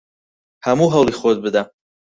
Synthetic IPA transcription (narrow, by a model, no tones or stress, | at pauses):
hɐmuɦɐwlˠiːxod̪̚bɨd̪ɐ